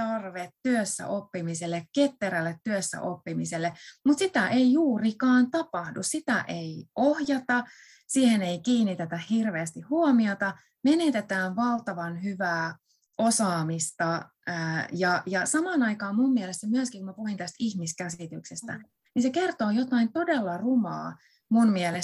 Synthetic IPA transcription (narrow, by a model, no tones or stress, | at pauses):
t̪ɑrʋet̪ːyøsːæ̰ʔopːimiselːekket̪ːeɾælːet̪tyøsːæ̰ʔopːimiselːemut̪sit̪æʔeijjuːrikɑːnt̪ɑpɑhdṵssit̪æʔeiʔohjɑt̪ɑ | siːheneikiːnːit̪et̪æhhirʋeːst̪ihhuomiot̪ɑ | menet̪et̪æːnʋɑlt̪ɑʋɑnhyʋæː | osɑːmist̪ɑ | əjɑjɑsɑmɑːnɑikɑːmmumːielest̪æmyøskiŋkumæpuhint̪æst̪ihmiskæsit̪yksest̪æ̰ | ninseke̞rt̪oːjot̪ɑint̪o̞delːɑrumɑ̰ː | munmiele